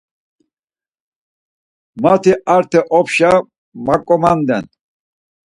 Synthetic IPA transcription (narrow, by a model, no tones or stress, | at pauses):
mat̪ʰiaɾt̪ʰɛʔɔpʃa | makʼɔmand̪ɛ̰n